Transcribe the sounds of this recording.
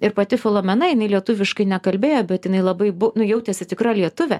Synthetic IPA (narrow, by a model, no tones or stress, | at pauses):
ɪɾpɐt̪ʲɪfʲɛlˠoːmʲɛnɐjɪnɐɪlʲiɛt̪ʊʋʲɪʃkɐɪnʲɛkɐlʲbʲeːjoːbʲɛt̪jɪnɐɪlˠɐbɐɪbʊnʊjɛʊt̪ʲɛsʲɪt̪ʲɪkɾɐlʲiɛt̪ʊʋʲɛ